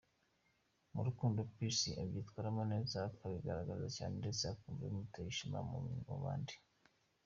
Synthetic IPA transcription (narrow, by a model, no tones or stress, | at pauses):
muɾukuːndopisiʔabɟiːtwaːɾamone̞ːzakaβiɡaɾaɡazacaːnendeseakuːɱvemutajiʃima̰mṵmiŋo̰βa̰ːndi